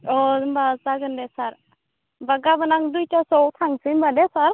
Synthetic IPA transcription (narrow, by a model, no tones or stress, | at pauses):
ɔdmbat͡saɡɯndɛsaɾ | baɡabənaŋd̪ujtasɔwt̪ʰaŋsinbadesaɾ